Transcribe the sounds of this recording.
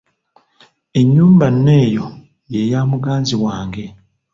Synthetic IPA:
e̞ɲːuːmbanːe̞ːjo̞ | je̞jaːmuɡaːnziβwaːŋɡe̞

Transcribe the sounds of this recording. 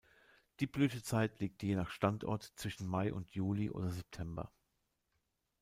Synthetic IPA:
d̥iːblyːtət͡saɪtliːk̚tjeːnaːχʃtantʔɔ̰ɐtt͡sv̥ɪʃn̩maɪʔʊ̰ntʰjuːliʔo̰ːdɐzɛp̚tʰɛmbɐ̰

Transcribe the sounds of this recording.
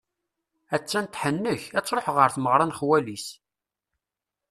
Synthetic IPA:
æt͡sːænt̪ħənːəçæt͡sːɾoħʁəɾθməʁɾˤɑnχwælis

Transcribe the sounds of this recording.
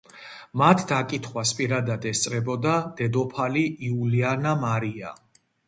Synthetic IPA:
mat̪ʰd̪akʼit̪ʰχwaspʼiɾad̪ad̪ɛst̪sʼɾɛbɔd̪ad̪̥ɛd̪ɔpʰaliiulianamaɾia̰

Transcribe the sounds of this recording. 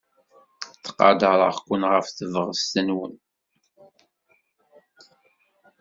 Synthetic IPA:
t͡sːqɑ̰d̪əɾˤəʁkʷːʊnʁəfθəvəʁt̪ənwən

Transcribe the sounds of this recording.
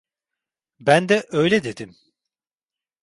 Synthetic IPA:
bænd̪ɛʔø̞jlʲɛd̪ed̪im

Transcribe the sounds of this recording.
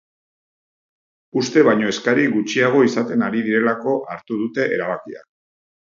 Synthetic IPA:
ust̪e̞βajɲo̞eskaɾiɡut͡ʃiaɣ̞o̞isat̪e̞naɾiðiɾe̞lako̞ʔaɾt̪uð̞ut̪e̞ʔeɾaβakia̰

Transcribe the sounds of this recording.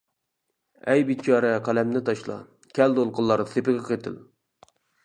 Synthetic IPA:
ɛjbit͡ʃʰɑːɾɛqʰælɛmnɪt̪ʰɑʃlˠɑ̰ | kʲʰɛld̪olˠqʊlˠːɑɾsepɨʁʲɛqʰet̪ʰɪ̰l

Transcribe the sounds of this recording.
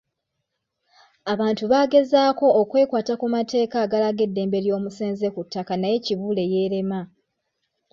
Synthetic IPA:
aβaːntuβaːɡe̞zaːko̞ːkwe̞ːkwaːtakumatʰe̞ːkaːɡalaɡe̞dːe̞ːmbe̞ljo̞ːmuseːnze̞kutːakanaje̞ciβuːle̞je̞ːɾe̞ma

